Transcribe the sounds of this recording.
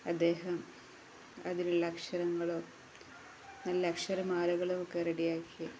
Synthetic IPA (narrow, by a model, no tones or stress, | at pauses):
ɐd̪ːe̞ːɦɐm | ɐðinuɭlːɐɐkʂɐɾɐŋːɐɭoː | nɐlːɐkʂɐɾɐmaːlɐɣɐɭookːereɽijaːkʰːi